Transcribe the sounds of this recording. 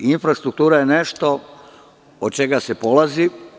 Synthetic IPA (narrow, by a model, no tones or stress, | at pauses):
infɾast̪ɾuk̚t̪uːɾajeneʃt̪o̞ | od̪̚t͡ʃe̞ɡasepo̞lˠazi